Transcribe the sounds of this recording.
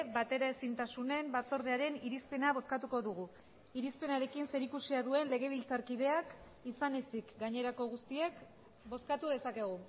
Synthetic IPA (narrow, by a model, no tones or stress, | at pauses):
bat̪e̞ɾaesint̪asune̞mbat͡so̞ɾð̞eaɾe̞niɾispe̞naβ̞o̞skat̪uko̞ðuɣ̞u | iɾispe̞naɾe̞kinse̞ɾikusiaðue̞nle̞ɣ̞e̞β̞ilt͡saɾkiðe̞ak | isane̞sikɡaɲe̞ɾako̞ɣ̞ust̪ie̞k | bo̞skat̪uðe̞sake̞ɣ̞u